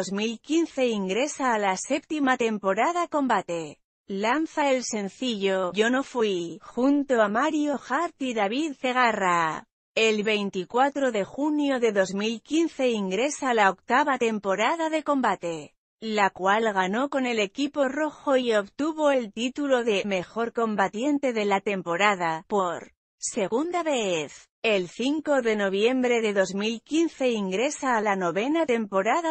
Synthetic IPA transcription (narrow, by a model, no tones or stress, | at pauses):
ozmilkinθe̞iŋɡɾe̞saːlase̞p̚t̪imat̪e̞mpo̞ɾaðako̞mbat̪e̞ | lanθaelse̞n̟θiʝo̞ʝo̞no̞fwixunt̪o̞amaɾjo̞xaɾt̪iðaβiðθe̞ɣ̞ara | e̞lβe̞jnt̪ikwat̪ɾo̞ðe̞xunjo̞ðe̞ðo̞zmilkinθe̞iŋɡɾe̞salao̞kt̪aβat̪e̞mpo̞ɾaðaðe̞ko̞mbat̪e̞ | lakwalɣano̞ko̞ne̞le̞kipo̞ro̞xo̞io̞βt̪uβo̞e̞lt̪it̪ulo̞ðe̞me̞xo̞ɾko̞mbat̪je̞nt̪e̞ðe̞lat̪e̞mpo̞ɾað̞apo̞ɾ | se̞ɣund̪aβeeθ | e̞lθiŋko̞ðe̞no̞β̞je̞mbɾe̞ðe̞ðo̞zmilkinθe̞iŋɡɾe̞saːlano̞βe̞nat̪e̞mpo̞ɾaða